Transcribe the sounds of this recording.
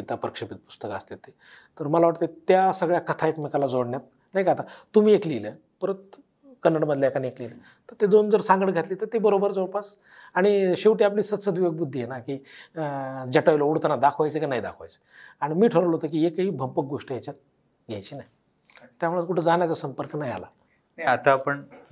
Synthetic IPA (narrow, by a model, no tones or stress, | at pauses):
pit̪apəɾəkʂəpit̪̚pu̥st̪əkast̪et̪ːe | t̪əɾməlaʋaʈt̪et̪jasəɡɭjakət̪ʰaekmikalad͡zoɽɳjat̪̚ | naikat̪at̪um̤iːeklilə | pəɾət̪ | kənːəɽməd̪leakaneklilə | t̪əɾt̪ed̪ond͡zəɾsãŋɡəɽɡʱat̪liːt̪ət̪ebəɾobəɾd͡zoɽpas | aɽ̃iɕeʋʈiːapliːsət̪səd̪ʋiʋəɡ̚bud̪ʱːijenakiː | d͡ʑəʈajlouɽt̪ənad̪akʰʋajt͡sekanaɦid̪a̰kʰʋa̰jt͡sə̥ | aɽ̃imiːʈʰəɾəʋləɦot̪ək̬iːekəɦiːbʱəmpək̚ɡoʂʈəjat͡ɕat̪̚ | ɡʱa̰jt͡ɕiːnaj | t̪jamuɭət̪̚kuʈʰed͡zaɳjat͡sasəmpəɾknaja̰la̰ | at̪apəɳ